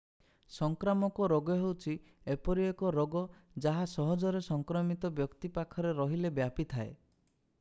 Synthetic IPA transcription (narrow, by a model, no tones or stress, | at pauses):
sɔŋkɾamɔkɔɾoɡɔɦewt͡ʃʰi | epɔɾiekɔɾɔɡɔd͡ʒaɦasɔɦɔd͡ʒɔɾesɔŋkɾɔmit̪ɔbjɔkt̪ipakʰɔɾeɾɔɦilebjapit̪ʰae